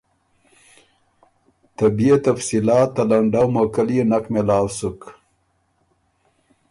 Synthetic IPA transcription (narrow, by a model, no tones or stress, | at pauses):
t̪abiet̪afsilaːt̪ːalaɳɖawmokəlinakmelaːwsuk